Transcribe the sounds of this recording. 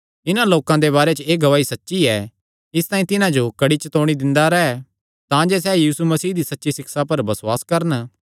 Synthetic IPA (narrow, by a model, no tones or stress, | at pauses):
ɪnãloːkãd̪eβaːɾet͡ʃəeːɡɐʋaːisɐtːʃiɛ | ɪst̪ãːĩt̪ɪnãd͡ʒokɐɽit͡ʃɐt̪oːɽ̃id̪ɪ̃nd̪aɾɐɦɛ | t̪ãd͡ʒɛːs̬ɛːjiːsumɐsiːɦd̪isɐtːʃisɪksapɐɾbɐsʊwaːskɐɾən